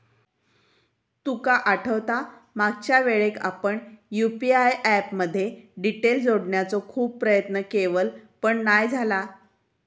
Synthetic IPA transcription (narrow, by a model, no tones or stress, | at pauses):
t̪ukaʔaʈʰəʋt̪amaɡ̚t͡ɕjaʋeɭeka̰pəɳjupiajʔæpməd̪ʱːjeɖiʈeld͡zoɽɳjat͡sɔkʰuːb̚pːɾəjət̪nəkeʋəlpəɳnajd͡zʱala